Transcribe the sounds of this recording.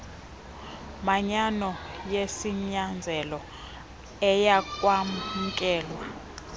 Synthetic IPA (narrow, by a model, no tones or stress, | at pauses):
maɲanɔjesiɲand͡zʱɛlɔ | ɛjakʼwamukʼɛːlwa